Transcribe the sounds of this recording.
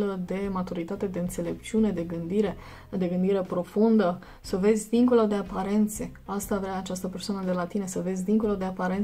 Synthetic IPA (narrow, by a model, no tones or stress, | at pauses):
ld̪e̞mat̪uɾit̪at̪e̞d̪e̞ɨnt̪se̞le̞p̚t͡ʃiune̞d̪e̞ɡɨnd̪iɾe̞ | d̪e̞ɡɨnd̪iɾe̞pɾo̞fund̪ə | səve̞zʲd̪iŋko̞lod̪e̞apaɾe̞nt̪se̞ast̪avɾeaːt͡ʃast̪əpe̞rsoanəd̪e̞lat̪ine̞səve̞zʲd̪iŋko̞lod̪eapaɾen